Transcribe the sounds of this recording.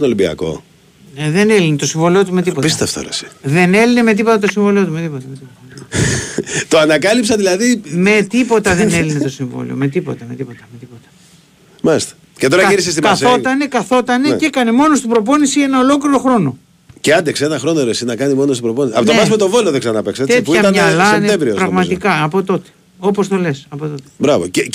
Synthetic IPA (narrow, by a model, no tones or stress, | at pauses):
nolimbiɐ̰ko̞̰ | neðe̞nelinet̪o̞siɱvo̞lio̞t̪ume̞t̪ipoist̪eɐft̪o̰ɾesi̥ðe̞ne̞lineme̞t̪̬ipo̞t̪ɐt̪o̞siɱvoliot̪umet̪ipot̪ɐmet̪i | t̪oɐnɐkɐlipsɐðilɐðime̞t̪ipo̞t̪ɐðene̞linet̪o̞siɱvo̰lḭo̰me̞t̪ipo̞̰t̪ɐme̞t̪ipo̞t̪ɐmet̪ipot̪ɐ̥ | mɐlist̪ɐ̥ | cet̪o̞ɾɐʝiɾisest̪imkɐso̞t̪ɐnekɐθo̞t̪ɐnecekɐnemo̞nost̪ibɾo̞po̞nisienɐo̞lo̞kliɾo̞xɾo̞no̞ | ceɐnd̪eksenɐxɾonoɾesinɐkɐnimo̞nost̪ibɾoponisiɐpot̪oɐsmet̪ovoloðeɡsɐnɐpekset̪et̪uiɐt̪ɐnɲɐlɐsent̪emvɾiopɾɐɣmɐt̪ikɐːpo̞t̪o̞t̪e̥ | o̞post̪ole̞sɐpo̞t̪ot̪e̥bɾɐvo̰c